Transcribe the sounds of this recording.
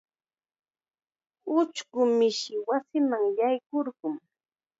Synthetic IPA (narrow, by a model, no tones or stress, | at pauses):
ʊt͡ʃɢʊmɪʃɪwasɪmaŋjajkoɾɢʊŋ